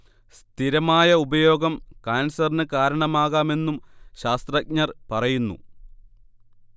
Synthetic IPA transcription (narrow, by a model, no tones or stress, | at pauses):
st̪ʰiɾɐmaːjɐubɐjo̞ːɡɐmkaːnsɐrnɨkaːɾɐɳɐmaːɣaːme̞nːumɕaːst̪rɐk̚ɲɐrpɐrɐjunːṵ